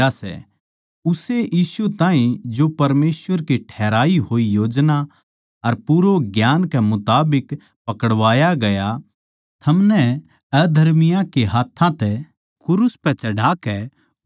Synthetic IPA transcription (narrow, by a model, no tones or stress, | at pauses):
asɛ̰ | ʊseʔiːsut̪ãːɦĩd͡ʒopɐɾmeːsʋəɾkiʈʰɛːɾaːiɦoːijoːd͡ʒna | ɐɾpuːɾoɡjaːnkɛmʊt̪aːbɪk | pɐkəɽʋaːjaɡɐja | t̪ʰɐmnɛ | ɛd̪ʱɐɾmɪjãkeɦaːt̪ʰːãt̪ɛ | kʰʊɾʊspɛt͡ʃɐɽaːkɛ